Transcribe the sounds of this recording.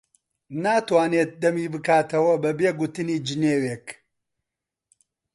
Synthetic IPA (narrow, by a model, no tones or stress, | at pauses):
naːt̪waːneːt̪̚d̪ɐmiːbɨkaːt̪ʰɐwɐbɐbeːɡʊt̪ɨniːd͡ʒɨneːweːk